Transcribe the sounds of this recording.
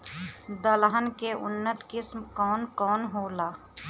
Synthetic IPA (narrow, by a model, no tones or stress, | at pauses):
d̪əlɦənkeʔʊ̰nːət̪kɪsmkɔːnkɔːnɦoːlaː